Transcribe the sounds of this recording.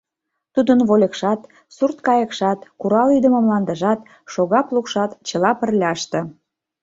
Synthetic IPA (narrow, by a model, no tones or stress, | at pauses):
t̪ud̪ənβolʲekʃɑt̪ | surt̪kɑjə̆kʃɑt̪kuɾɑlid̪əməmlɑnd̪əʒɑt̪ | ʃoɣɑplukʃɑt̪t͡ɕə̆lɑpə̆rlʲɑʃt̪ə̆